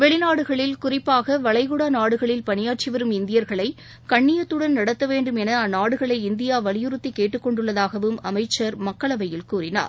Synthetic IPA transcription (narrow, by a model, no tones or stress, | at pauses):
ʋɛɭɪnaːɽɯɣɐɭɪlkʊrɪpːaːɣɐʋɐɭɐɪɣɯɽanaːɽɯɣɐɭɪlpɐɳɪjaːʈ̚t͡ʃɪʋɐɾɯmɪnd̪ɪjɐɾɣɐɭɐɪ | kɐɳːɪjɐt̪ːɯɽɐnnɐɽɐt̪ːɐʋeːɳɖɯmɛnɐɐnːaːɽɯɣɐɭɐɪɪnd̪ɪjaːʋɐɭɪjɯɾɯt̪ːikːeːʈːɯkːɔɳɖɯɭːɐðaːɣɐʋɯmɐmɐɪt͡ʃːɐɾmɐkːɐɭɐʋɐjɪlkuːɾɪna̰ːɾ